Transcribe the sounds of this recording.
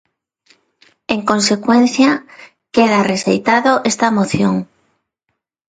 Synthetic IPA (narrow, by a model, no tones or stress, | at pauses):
eŋkonsekwen̟θja | keðaresḛjt̪aðoʔest̪amoθjoŋ